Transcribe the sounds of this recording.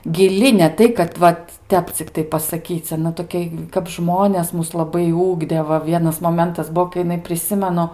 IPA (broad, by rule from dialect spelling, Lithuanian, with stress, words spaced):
ɡʲɪˈlʲɪ nʲɛ ˈtɐɪ kɐt ˈʋɐt ˈtʲɛp t͡sʲɪkˈtɐɪ pɐsɐˈkʲiːt͡s ɐˈnɐ toːˈkʲɛ kɐp ˈʒmoːnʲɛs ˈmʊs lˠɐˈbɐɪ ˈʊɡdʲeː ˈʋɐ ˈʋʲiɛnɐs moːˈmʲɛntɐs ˈbuɔ kɐɪ jɪˈnɐɪ pʲrʲɪˈsʲɪmʲɛnʊ